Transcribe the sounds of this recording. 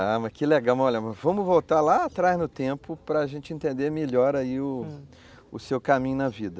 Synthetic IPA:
amɐkɪleɡawmɔʎɐmɐvɐ̃mʊvowt̪aɾlaːt̪ɾaznʊt̪ẽpʊpɾɐːʒẽnt͡ʃɪẽnt̪ẽnd̪emeʎɔɾaiʊ | ʊsewkamĩɲʊnɐvid̪ɐ

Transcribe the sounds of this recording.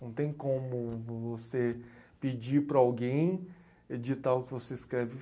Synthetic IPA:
nɐ̃w̃t̪ẽj̃kõmʊvosepid͡ʒiɾpɾɐawɡẽj̃ | ed͡ʒit̪aʊkɪvoseiskɾɛvɪ

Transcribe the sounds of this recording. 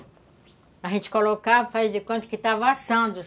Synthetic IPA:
aʒẽnt͡ʃɪ̥kolokavɐfazd͡ʒɪkwõt̪ʊ̥kɪt̪avãsɐ̃d̪ʊ

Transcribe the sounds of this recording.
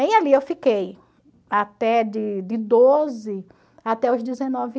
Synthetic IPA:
ẽj̃aliewfikej | at̪ɛd͡ʒɪd͡ʒɪd̪ozɪ | at̪ɛʊzd̪ɪzenɔvɪ

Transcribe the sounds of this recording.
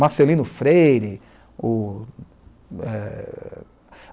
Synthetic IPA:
maselĩnʊfɾejɾɪ | ʊ | ɛ

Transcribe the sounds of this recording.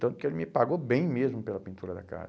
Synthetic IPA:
t̪ɐ̃nt̪ʊ̥kɪelɪmɪpaɡobẽj̃mezmʊpelɐpĩnt̪uɾɐd̪a̰ka̰z

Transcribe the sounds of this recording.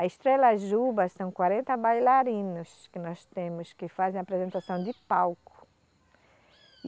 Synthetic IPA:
ɐiʃt̪ɾelɐʒubɐssɐ̃w̃kwaɾẽnt̪ɐbajlaɾĩnʊskɪnɔst̪ẽmʊskɪfazẽj̃apɾezẽnt̪asɐ̃w̃d̪ɪpawkʊ̥

